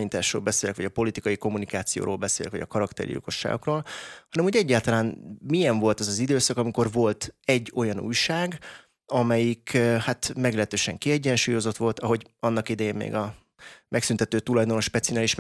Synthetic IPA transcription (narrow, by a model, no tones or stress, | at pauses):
ɲiːt̪aːʃro̰ːlbɛseːlɛkʋɒɟɒpo̞lit̪ikɒjiko̞mːunikaːt̪sijo̰ːɾʔo̰ːlbɛseːlɛ̰kʋɒ̰ɟɒ̰kɒɾɒkt̪ɛ̰rjḭlko̞ʃːa̰ːɡo̞kroːlhɒnɛmhuɟɛɟːaːlt̪ɒlaːnmijɛɱvo̞lt̪ɛzɒzid̪øːsɒkɒmiko̞rvo̞lt̪ɛɟːo̞jɒnṵːjʃaːɡ | ɒmɛjikhat̪mɛɡlɛɦɛt̪øːʃɛŋkiɛɟːɛnʃuːjo̞zo̞t̪ʋo̞lt̪ɒɦo̞ɟɒnːɒkid̪ɛjeːmmḛːɡɒ | mɛksynt̪ɛt̪øːt̪ulɒjd̪o̞noʃpɛt̪sionaːliʃ